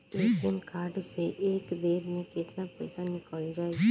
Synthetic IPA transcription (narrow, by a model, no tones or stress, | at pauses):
eːkːɪmkaːɾɖseʔeːkd̪eːɾmẽkɪt̪napə̰ɪsanɪkəld͡ʒaːe